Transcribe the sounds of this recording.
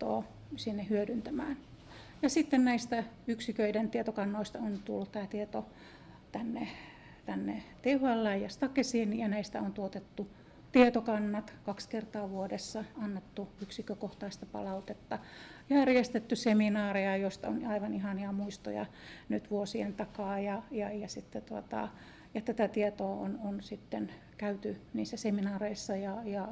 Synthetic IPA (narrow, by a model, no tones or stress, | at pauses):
t̪o̰ː | sinːehyødynt̪æmæ̰ːn | jɑsit̪ːennæist̪æ | yksikøident̪iet̪okɑnːoist̪ɑont̪ṵlːut̪t̪æːt̪iet̪o | t̪ænːe | t̪ænːet̪euhɑlːæjɑst̪ɑkesinijɑnæist̪æont̪uot̪et̪ːu | t̪iet̪okɑnːɑt̪kɑkskert̪ɑːʋuodesːɑɑnːet̪ːuyksikøkoht̪ɑist̪ɑpɑ̰lɑut̪et̪ːɑjærjest̪et̪ːyseminɑːreɑjoist̪ɑonɑiʋɑnihɑniɑmuist̪o̰jɑ̰ | nyt̪ʋuosiḛnt̪ɑkɑːjɑjɑjɑsit̪ːet̪uot̪ɑ̰ | jɑt̪æt̪æt̪iet̪oːo̰nonsit̪ːen | kæyt̪yniːsːæseminɑːreisːɑjɑjɑ